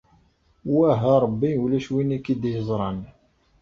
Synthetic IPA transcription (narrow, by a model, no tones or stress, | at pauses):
wæɦæɾˤbːiulæʃwinikid̪jəzˤɾˤɑn